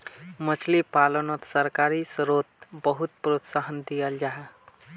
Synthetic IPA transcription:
mət͡ʃʰlipalənət̪səɾkaɾisɾot̪̚bəɦut̪̚pɾot̪saɦənd̪ijəld͡ʒaɦe

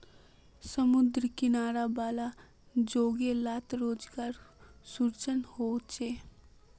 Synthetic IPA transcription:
səmʊd̪ɾkɪnaːɾabaːla | d͡ʒoːɡelaːt̪ɾoːd͡ʒɡaːɾsʊɾt͡ʃənhoːt͡ʃeː

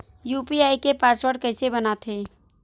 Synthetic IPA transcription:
juːpiaːikepaːswəɾɖ̚kɐɪsebɐnat̪ʰeː

